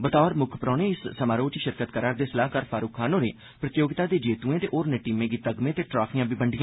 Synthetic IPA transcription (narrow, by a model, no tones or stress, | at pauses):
bət̪ɔːɾmʊkʰpɾɔːnẽːɪssəmaːɾoːt͡ʃiʃɪɾkət̪kəɾaːɾd̪eːsəlaːɦkəɾpʰaːɾuːkʰːaːnoːɾeː | pɾət̪ɪjoːɡɪt̪aːd̪eːd͡ʒeːt̪uːẽːt̪eːʔoːɾneːʈiːmẽːɡiːt̪əɡmẽːt̪eːʈɾaːfʰijãːbiːbəɳɖɪjãː